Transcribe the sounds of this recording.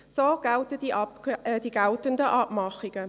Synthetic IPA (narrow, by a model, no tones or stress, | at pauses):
soːɡ̥aʊtədid̥iːɡaʊtəndəʔɑpmɑχɪɡə